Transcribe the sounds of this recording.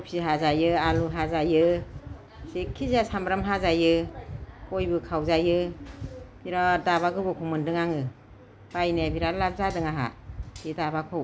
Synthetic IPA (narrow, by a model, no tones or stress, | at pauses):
pʰiɦazajɯaluɦazajɯ | sekʰːizasambɾamɦazajɯ | kojbɯkʰawzajɯ | b̥iɾadaβaɡɯbɔkʰɔmɯndɯŋaŋɯ | b̥ajnebiɾalap̚zadɯŋaɦa̰̥idabakʰow